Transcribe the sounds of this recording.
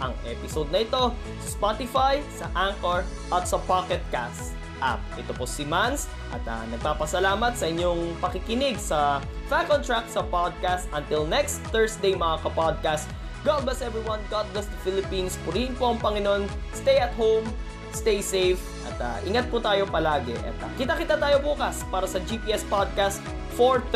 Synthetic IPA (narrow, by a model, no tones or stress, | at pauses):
ʔɐŋʔɛpɪsod̪̚nɐʔɪt̪o̞ | sɐspat̪ɪfajsɐʔaŋkoɹ | ʔɐt̪sɐpakɛt̪̚kast | ʔa̰p̚ʔɛt̪oposɪmans | ʔɐ̰t̪ɐ̰nɐɡ̚paːpɐsɐlaːmɐt̪sɐʔɪɲːoŋpɐkɪkɪnɪɡsɐfakont̪ɹak̚sɐpad̪̚kast̪ʔɐnt̪ɪlnɛkst̪θɛɹsd̪ejmɐŋakɐpad̪̚kast̪ | ɡat̪̚ɡɐsɛvɹiwɐnɡat̪̚lɐsd̪ɐfɪlɪpinspʊɾihɪnpo̞ʔɐŋpɐŋɪno̞nst̪ɛjɐt̪howm | st̪ejsejv | ʔɐ̰t̪ɐ̰ʔɪŋat̪̚pot̪aːjopɐlaːɡɛ̰ʔɐ̰t̪ɐ̰kɪt̪akɪt̪at̪aːjo̞buːkɐspaːɾɐsɐd͡ʒipiʔɛspad̪̚kast̪̚ | foɹt